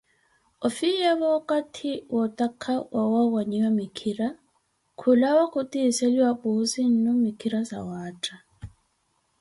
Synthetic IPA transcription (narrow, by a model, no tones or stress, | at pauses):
ɔfijaβɔkʼatʰiwɔtʼakʰawʔawawaɲiwamikʰiɾa | kʰulawakʰʊtʼiseliwapʼusin̩nɔmikʰiɾasa̰waːtʼa